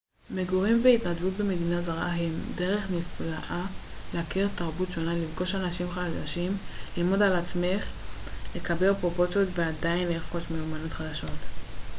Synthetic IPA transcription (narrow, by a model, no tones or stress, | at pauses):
meɡuʁimveitnadvut̚beme̞dinazaʁʔaɦemde̞ʁe̞χniflaʔaleakiʁtaʁbutʃo̞nalifɡo̞ʃanaʃimχadaʃimlilmo̞dalat͡sme̞χle̞kabe̞lpʁopo̞t͡sjotveadainleʁχo̞ʃmeumanot̪χad̪aʃo̞t